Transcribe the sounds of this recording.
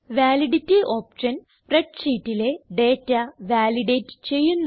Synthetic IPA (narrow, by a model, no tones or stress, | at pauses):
ʋaːliɽitːio̞ːpʂɐn | preʈɕiːtːile̞ɖe̞ːtːɐʋaːliɖeːtːɨ̥t͡ɕe̞jːunː